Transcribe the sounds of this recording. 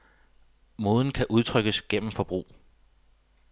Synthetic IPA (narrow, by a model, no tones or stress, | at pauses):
mo̝ːð̞ˠn̩kʰæʔuð̞ˠt͡sʰʁœɡ̥əsɡ̥en̰m̩fɒ̽b̥ʁṵː